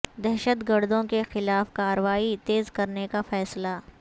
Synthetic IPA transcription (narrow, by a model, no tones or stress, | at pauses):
d̪ɛɦʃət̪ɡəɾd̪õkexɪlaːfkaːɾəʋaːit̪eːzkɐɾnekafɛːsla